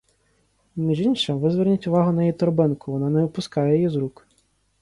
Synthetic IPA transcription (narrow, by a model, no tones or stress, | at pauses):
mʲiʒinʃɐʋɪzʋɛrnʲitʲʊʋɑɦʊnɐjit̪ɔɾbɪnkʊʋɔnɑnɛʊpʊskɑjɛjjizɾuk